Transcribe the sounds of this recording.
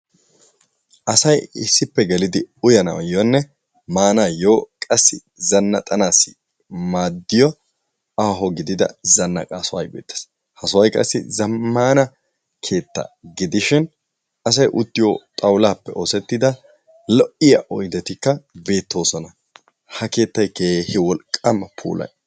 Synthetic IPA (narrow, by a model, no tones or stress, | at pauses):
ʔɐsɐjɪsːɪpːɛɡɛlɪd̪ɪʊjɐnɐ̰wɐ̰jonːɛ | maːnaːjoːkʼɐsːɪ | zɐnːɐ̰t̪ʼɐnaːsːɪ | maːd̪ːɪjɔ | aːɦɔɡɪd̪ɪd̪ɐ̰zɐnːɐ̰kʼaːsʊwɐjbeːt̪ːɐ̥s | hɐsʊwɐjkʼɐ̰sːɪ̰zɐmːaːnɐ | kʰe̞ːt̪ːɐ̰ɡɪd̪ɪʃɪn | ɐs̬ɐjʔʊt̪ːɪjo̰t̪ʼɐwlaːpːɛʔo̞ːsɛt̪ːɪd̪ɐ | lɔʔɪjɐʔɔjd̪ɛt̪ɪkːɐbe̞ːt̪ːo̞ːsɔnɐ | hɐke̞ːt̪ːɐjkeːhɪwɔlkʼːɐmːɐpʰṵːlʔɐ̰j